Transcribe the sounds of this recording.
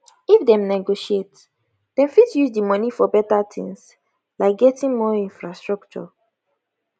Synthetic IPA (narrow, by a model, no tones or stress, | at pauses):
ifdɛ̃mnɛɡoʃiet | d̥ɛ̃mfitjuzdəmɔnifɔbɛtatʰḭ̃ŋs | laɪɡɛtĩŋmɔĩnfɹastɹɔk̚t͡ʃɔ̰